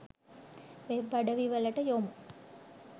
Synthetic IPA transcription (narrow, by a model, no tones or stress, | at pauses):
mebɐɖəʋiʋəlɐʈəjom